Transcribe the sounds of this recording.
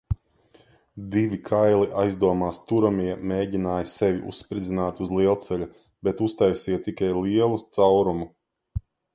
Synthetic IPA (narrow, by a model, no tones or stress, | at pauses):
d̪ivʲikʰajlˠiʔajzd̪uɔmaːst̪uɾamiɛmeːɟinaːjsɛvʲiʔṵssːpɾid̪zʲinaːt̪uzlˠiɛlˠt̪sɛlʲu | bɛt̪ust̪ajsijt̪ikajlˠiɛlˠut̪sawɾumu